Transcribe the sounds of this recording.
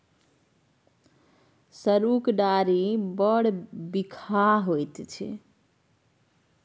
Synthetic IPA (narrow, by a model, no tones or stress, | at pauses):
səɾukɖaɾibəɽbikʰaɦojt̪t͡ʃʰḭ